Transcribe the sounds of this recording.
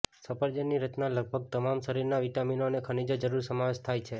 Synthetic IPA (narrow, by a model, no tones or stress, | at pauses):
səpəɾd͡ʒənːiɾət̪naləɡ̚bʱəɡ̚t̪əmamʃəɾiɾnaʋiʈaminonekʰənid͡ʒəd͡ʒəɾuɾsəmaʋeʃt̪ʰajt͡ʃʰe